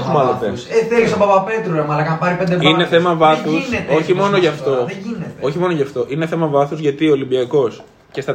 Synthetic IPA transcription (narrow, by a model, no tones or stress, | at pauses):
mɐloeseθelist̪obɐpɐpet̪ɾoɾɐmɐlɐkɐnpɐɾipend̪evineθe̞mɐvɐθusset̪oçimo̞no̞ʝɐft̪o̞ðeʝinet̪o̞çimo̞noʝɐft̪o̞ʔine̞θe̞mɐvɐθuzʝɐt̪iolimbiɐko̞s | ce̞st̪ɐ